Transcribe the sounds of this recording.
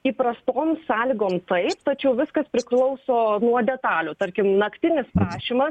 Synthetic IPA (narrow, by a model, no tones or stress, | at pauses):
iːpɾɐst̪oːmsɑːlʲiɡoːmt̪ɐɪpt̪ɐt͡ʃʲɛʊʋʲɪskɐspʲɾʲɪklˠɒʊsoːnuɔd̪ʲɛt̪ɑːlʲʊt̪ɐɾʲkʲɪmnɐkt̪ʲɪnʲɪspɾɑːʃʲiːmɐ